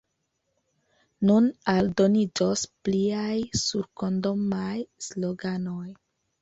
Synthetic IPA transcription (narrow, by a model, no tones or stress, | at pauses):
nunaldo̞nid͡ʒospliajsuɾko̞ndo̞majsloɡanoj